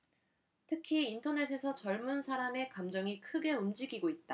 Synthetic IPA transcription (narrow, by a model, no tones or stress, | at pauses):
tʰɯkʰiːntʰʌne̞s̬ʰe̞sʰʌt͡ɕʌɭmunsʰaɾame̞kamd͡ʑʌŋikʰɯɡe̞umd͡ʑiɡiɡoit̚t͈a